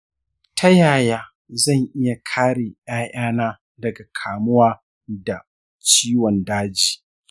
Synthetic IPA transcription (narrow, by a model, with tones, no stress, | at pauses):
tʰɐ˦jaː˨jaː˦ | zɐ˦˨ŋʔɪ˦ja˨kʰaː˦ɽeː˨ʔj̰aː˦ʔaː˦naː˦ | dɐ˨ɡa˨kʰaː˨mʊ˦waː˦ | da˨ | t͡ʃiː˦wɔ˨ndaː˦d͡ʒiː˨